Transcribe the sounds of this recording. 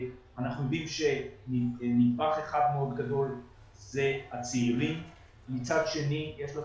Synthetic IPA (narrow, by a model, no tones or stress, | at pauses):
anaχnujod̪imʃennid̚baχeχad̪meo̞d̪ɡado̞l | zehat͡siilim | mit͡sad̪ʃenijeʃla